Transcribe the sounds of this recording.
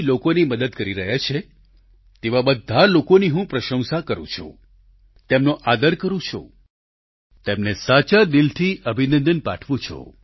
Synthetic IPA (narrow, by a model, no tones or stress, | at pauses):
lokoniməd̪əd̪̚kəɾiɾəɦat͡ʃʰe | t̪eʋabəd̪ʱalokoniɦũpɾəʃə̃w̃sakəɾṵ̃t͡ʃʰṵ̃ | t̪emnõʔad̪əɾkəɾũt͡ʃʰo̰ | t̪emnesat͡ʃad̪ilt̪ʰiʔəbʱinə̃nd̪ənpa̰ʈʰʋũt͡ʃʰɔ̰